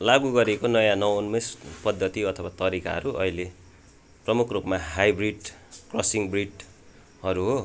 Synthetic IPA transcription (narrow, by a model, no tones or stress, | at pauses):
laɡuɡʌɾekonʌjãnʌwnmespʌd̪ʱːʌt̪iʌt̪ʰʌwat̪ʌɾika̰ɦʌ̰ɾuʔʌ̰ile | prʌmukʰrupmaɦajbriɖkrʌsiŋbriɖ | hʌɾuɦo